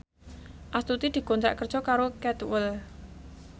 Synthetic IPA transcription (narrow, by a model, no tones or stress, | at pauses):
ʔast̪ut̪id̪̥i̤kont̪ɾa̰ʔkər̥d͡ʒ̥ʒ̥ɔ̤kaɾokɛt̪wəl